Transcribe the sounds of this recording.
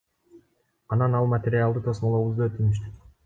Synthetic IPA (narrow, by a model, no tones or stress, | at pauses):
ɑnɑnɑlˠmat̪ʲeɾʲɪalˠd̪ɯt̪ʰosmolˠoβuzd̪uøt̪ynyʃ̬t̪y